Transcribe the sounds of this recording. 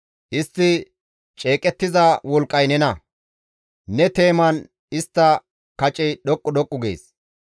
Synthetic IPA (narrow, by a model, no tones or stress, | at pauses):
ʔɪst̪ːɪ | t͡ʃʼe̞ːkʼɛt̪ːɪzɐwɔlkʼːɐjnɛnɐ | nɛt̪e̞ːmɐn | ɪst̪ːɐ | kɐt͡ʃʼɛjɗɔkʼːɔd̪ɔkʼːʊɡḛːs